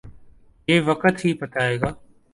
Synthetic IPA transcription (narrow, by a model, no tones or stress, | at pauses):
eːʋəkət̪ɦiːpət̪aːeːɡaː